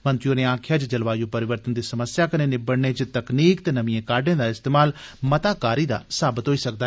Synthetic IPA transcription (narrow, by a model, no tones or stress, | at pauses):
mənt̪ɾijõːneːãːkʰjaːd͡ʒd͡ʒəlʋaːjoːpəɾɪʋəɾt̪ənd̪iːsəməsjaːkəneːnɪbəɽneːd͡ʒt̪əkniːkt̪eːnəʋĩjẽːkaːɖẽːd̪aːɪst̪eːmaːlmət̪aːkaːɾiːd̪a̰ːsaːbət̪ɦoːiːsək̚d̪aː